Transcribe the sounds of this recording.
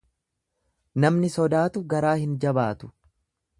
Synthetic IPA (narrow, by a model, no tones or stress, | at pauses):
nɐmnɪsɔd̪aːt̪ʊɡɐɾaːhɪnd͡ʒɐbaːt̪ʊ̥